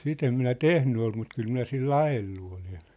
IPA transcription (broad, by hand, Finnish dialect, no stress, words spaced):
sit em minæ tehny ol mut kyl minæ silː ɑjelːu olen